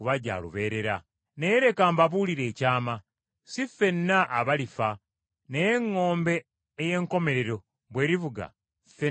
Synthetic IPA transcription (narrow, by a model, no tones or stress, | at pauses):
uβaɟa̰ːlṵβe̞ːɾe̞ɾa | nejeɾe̞kaːmbaβuːliɾe̞ːcaːma | sife̞nːaʔːβalifa | nejeŋːo̞ːmbe̞ː | je̞ŋko̞me̞ɾe̞ɾo̞ | βwe̞ːɾivuɡa̰ | fe